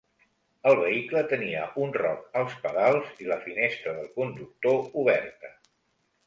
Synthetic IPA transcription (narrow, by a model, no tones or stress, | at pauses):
əlˠβ̞əiklət̪əniəʔunrɔkəlˠspəðalˠziləfinest̪ɾəðəlˠkund̪uk̚t̪ouβ̞ɛrt̪ə